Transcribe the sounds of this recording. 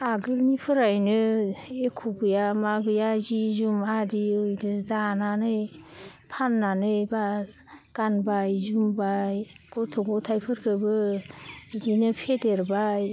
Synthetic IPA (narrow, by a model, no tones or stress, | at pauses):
aɡɯlmipʰɯɾajnɯekʰuɡɯjamaɡɯjazizumadiɯjdɯzananɯjpʰanːanɯjbaɡ̥anbajzumbajɡ̥ɔtʰɔɡɔtʰajpʰɯɾkʰɯbɯ | idinɯpʰedeɾbaj